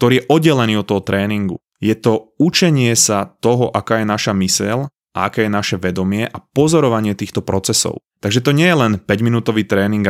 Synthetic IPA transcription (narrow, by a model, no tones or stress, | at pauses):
kkt̪ɔɾiːjɛʔɔd̪ɟɛlɛniːɔt̪ːɔɦɔt̪ɾɛːniŋɡṵ | jɛt̪ɔut͡ʃɛɲɪɛsat̪ɔɦɔʔakaːjɛnaʃamisɛl | a̰akɛːjɛnaʃɛʋɛd̪ɔmɪɛʔapɔzɔɾɔʋaɲɪɛt̪iːxt̪ɔpɾɔt͡sɛsɔ̰ʊt̪aɡʒɛt̪ɔɲɪɛjɛlɛnpɛɟminuːt̪ɔʋiːt̪ɾɛːniŋɡ